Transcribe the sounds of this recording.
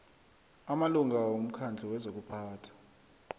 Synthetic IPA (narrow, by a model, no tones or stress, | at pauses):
amaluŋɡʱawom̩kʰand͡ɮʱiwɛzok̬upʰaːtʰḁ